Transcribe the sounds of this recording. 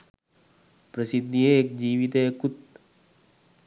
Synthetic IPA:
pɾəsid̪nieek̚d͡ʒiːʋit̪ekut̪

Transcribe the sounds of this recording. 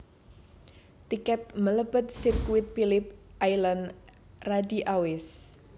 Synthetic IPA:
t̪ikɛt̪̚mələbət̪̚sirkwɪt̪̚filɪp̚ʔajlan | radiʔawɪs

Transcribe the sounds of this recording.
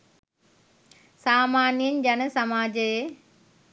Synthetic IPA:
saːmaːnjɐnd͡ʒɐnɐsɐmaːd͡ʒɐje

